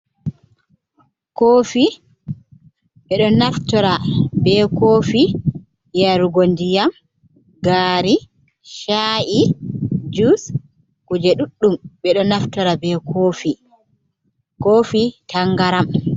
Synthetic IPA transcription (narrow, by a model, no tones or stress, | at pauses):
koːfi | ɓɛɗɔnaftɔɾabɛkoːfi | jaɾuɡondijam | ɡaːɾi | ʃaʔi | d͡ʒus | kud͡ʒɛɗuɗːumɓɛɗɔnaftɔɾabɛkʰoːfi | koːfitʰaŋɡaɾam